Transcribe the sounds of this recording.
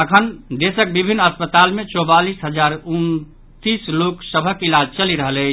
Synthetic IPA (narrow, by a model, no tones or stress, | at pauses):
əkʰənd̪esək̚bibʱinːəspət̪almẽt͡ʃɔbalisɦəd͡ʒaɾun | t̪isloksəbʱəkilad͡ʒt͡ʃəliɾəɦələt͡ʃʰ